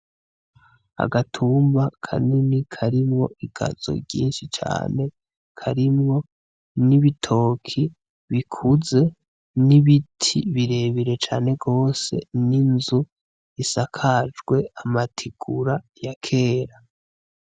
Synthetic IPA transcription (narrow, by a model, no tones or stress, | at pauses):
a̰ɡatʰuːmbakʰa̰ninikʰaɾimŋo̞ʔiɡa̰z̥o̞̰ɟḭːnʃit͡ʃa̰ːne̞ | kʰaɾimŋo̞ | niβitʰo̞ːkʰi | βikʰuze̞ | niβitʰiβiɾe̞βiɾe̞t͡ʃaːne̞ɡo̞ːse̞̰ninzu | isakʰad͡ʒɡwe̞amatʰiɡ̥uɾa | jakʰe̞ːɾa